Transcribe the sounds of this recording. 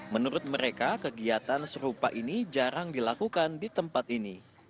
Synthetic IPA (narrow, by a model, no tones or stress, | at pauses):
mənuɾʊt̪̚məɾekakəɡiat̪ansəɾupaʔinid͡ʒaɾaŋdilakukandit̪əmpat̪̚ini